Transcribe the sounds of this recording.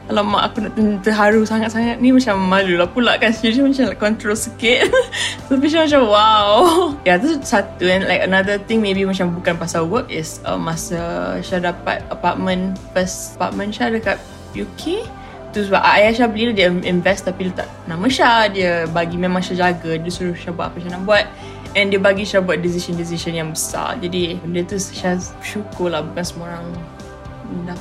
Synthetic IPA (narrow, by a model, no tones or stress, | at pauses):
kalamã̰ʔa̰kunaʔt̪ənt̪əɦaɾusaŋat̪̚saŋat̪̚nimat͡ʃamːalulahpulaʔkansudmat͡ʃamlakɔnt̪ɾosəkɪt̪̚sapiʃamat͡ʃamwawjat̪ust̪sat̪uɛ̃nlajkənad̪ət̪ɪ̃ŋmebimat͡ʃambukanpasawəkɪsə̰mːasəʃadapa̰t̪̚əpat̚mə̃nfəsəpa̰t̚mə̃nʃadəkap̚ | jokʰe | t̪uswaʔaajaʃabliladiĩnvɛst̪apidət̪a̰ʔ | naʔməʃadiəbaɡimẽmãŋʃad͡ʒaɡadiəsuɾʊʃabua̰t̚apəʃanaʔbuat̪̚ | ɛ̃ndiəbaɡiʃabuat̚dis̬iʃə̃ndis̬iʃə̃njaŋbəsa̰d͡ʒadidiət̪usʃaʃukʊlahbukansəmoɾãŋ | ənda